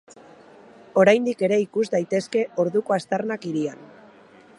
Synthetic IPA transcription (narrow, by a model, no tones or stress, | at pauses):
o̞ɾajnd̪ike̞ɾe̞ikuzd̪ajt̪e̞ske̞o̞ɾðuko̞ast̪arnakiɾian